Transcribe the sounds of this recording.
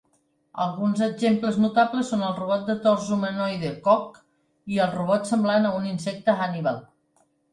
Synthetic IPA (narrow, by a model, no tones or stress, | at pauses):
ə̰lˠɣunzəʒempləznut̪apləsːonəlˠruβ̞ɔt̪̚d̪ət̪ɔrzumənɔjðəkɔk | iəlˠruβɔt̪səmblanəuninsɛk̚t̪əɣaniβalˠ